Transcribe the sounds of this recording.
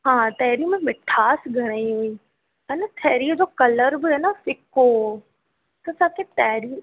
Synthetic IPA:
ɦãːt̪ɛːɾimẽmɪʈʰaːsɡʱɐɽ̃aiɦoiː | ɐnət̪ʰɛːɾiəd͡ʑoːkɐləɾbɪɦenafɪko | t̪ɐsaːket̪ɛːɾi

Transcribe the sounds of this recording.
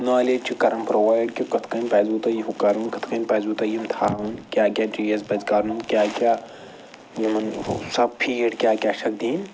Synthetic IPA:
naːleːd͡ʒt͡ʃʰikɐɾɐmpɾoʋaːjɖkʲikɐt̪ʰkɐnʲpɐːzut̪ɐjiɦukɐɾunkɐt̪ʰkɐnʲpɐːzuːt̪ɐjimt̪ʰaːʋunkʲaːkʲaːʈiːjɐzbɐzkaɾunkʲaːkʲaː | jimɐnsɐpʰiːɽkʲaːkʲaːʃɐk̚d̪iːn

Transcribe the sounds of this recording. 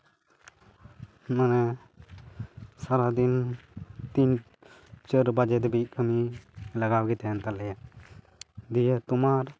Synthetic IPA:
manɛ | saɾad̪in | t̪iɲ | t͡ʃəɾbad͡ʒɛt̪bit̪̚kʰəmilaɡawɡɛt̪ɛnt̪alɛja | d̪ijət̪umaɾ

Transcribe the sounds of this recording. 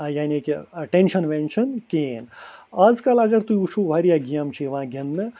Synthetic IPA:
jaːnikeɐʈenʃɐnʋenʃʰɐnkeːnaːd͡zkɐlɐɡɐɾt̪uiut͡ʃʰuʋʱaɾijaɡijamt͡ʃʰiʋɐãɡʱɐnːɐ

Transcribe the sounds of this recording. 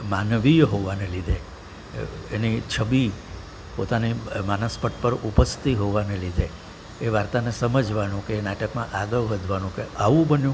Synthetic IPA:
manʋijɦoʋanelid̪ʱe | enit͡ʃʰəbi | pot̪animanəspəʈpəɾupəst̪iɦoʋanelid̪ʱeː | ʋaɾt̪anesəməd͡ʒʱʋanũkeːnaʈəkmã̰ʔaɡəʋʋəd̪ʱʋanũkeʔaʋũbənjũ

